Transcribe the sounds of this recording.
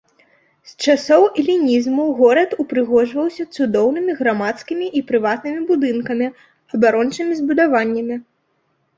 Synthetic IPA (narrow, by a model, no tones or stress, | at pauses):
st͡ʂasɔwilʲinʲizmuɣɔɾɐt̪upɾɨɣɔʐvɐwsʲɐt̪sud̪ɔwnɨmʲiɣɾamat̪skʲimʲiʔipɾɨvat̪nɨmʲibud̪ɨnkɐmʲi | ɐbaɾɔnt͡ʂɨmʲizbud̪avanʲːɐmʲi